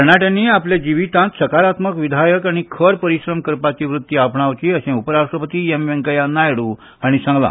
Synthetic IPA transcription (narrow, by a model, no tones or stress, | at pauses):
əɳ̃aʈjãnːiːapljad͡ʑiʋit̪ãt̪səkaɾat̪məkʋid̪ʱajəkaɽ̃ikʰəɾpəɾiɕɾəmkəɾpat͡ɕiʋɾut̪ːiapɳaʋt͡ɕiːəɕẽupəɾaʂʈɾəpət̪iːemʋeŋkəjanajɽũ | aɽ̃isãŋɡla̰